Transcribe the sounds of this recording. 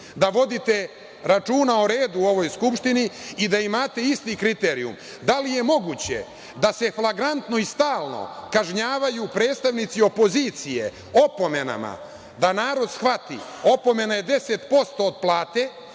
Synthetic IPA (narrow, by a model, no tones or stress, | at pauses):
d̪aʋo̞d̪it̪e̞ | ɾat͡ʃuːnaoɾe̞ːd̪uo̞ʋo̞jskupʃt̪iniːd̪aimaːt̪e̞ist̪ikɾit̪eːɾiṵm | d̪alije̞mo̞ɡuːt͡ɕe̞̰ | d̪ase̞flˠaɡɾant̪no̞ist̪aːlˠno̰kaʒɲaːʋajupɾe̞ːd̪st̪aʋnit̪sio̞po̞zit̪sije̞̰ | o̞po̞me̞na̰ma̰ | d̪anaːɾo̞d̪sxʋat̪io̞po̞me̞naje̞d̪e̞set̪po̞st̪o̞ːd̪̚plˠaːt̪e̞